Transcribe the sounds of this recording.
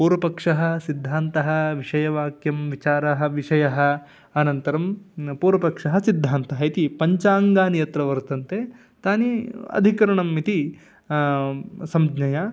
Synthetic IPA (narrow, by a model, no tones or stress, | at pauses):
puːɾɐpɐkʂɐɦɐ̆sid̪ʱːaːnt̪ɐɦɐ̆ʋiʂɐjɐʋaːkjɐmʋit͡ʃaːɾɐɦɐ̆ʋiʂɐjɐɦɐ̆ | ɐnɐnt̪ɐɾɐmpuːɾɐpɐkʂɐɦɐsid̪ʱːaːnt̪ɐɦɐit̪ipɐɲt͡ʃaːŋɡaːnijɐt̪ɾɐʋɐɾt̪ɐnt̪e | t̪aːniɐ̰d̪ʱikɐɾɐɳɐmːit̪i | sɐmd͡ʒnɐja